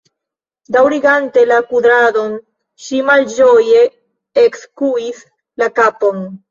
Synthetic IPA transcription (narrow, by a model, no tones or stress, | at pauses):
dawɾiɡante̞lakuðɾaðo̞n | ʃimald͡ʒoje̞ | ekskuis | lakapon